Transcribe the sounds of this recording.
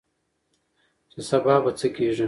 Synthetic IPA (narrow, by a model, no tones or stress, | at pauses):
t͡ʃesabaːbɐt͡səkʰeːʐi